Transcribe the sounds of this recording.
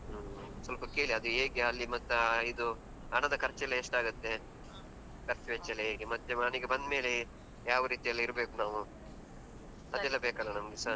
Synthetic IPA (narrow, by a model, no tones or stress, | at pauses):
sɐlpɐke̞ːɭiɐd̪ueːɡeɐlːimɐt̪ːuid̪u | ɐɳɐd̪ɐkʰɐɾt͡ʃɛlːeeʂʈaːɡut̪ːe̞ | kɐɾt͡ʃʋet͡ʃɛleeːɡemɐt̪ːeɐɳiɡebɐnd̪me̞ːle | jaːʋɐɾiːt̪ijɐlːiiɾbe̞ːkunaːʋu | ɐd̪ɛlːɐbeːkɐlːɐnɐmɡesɐ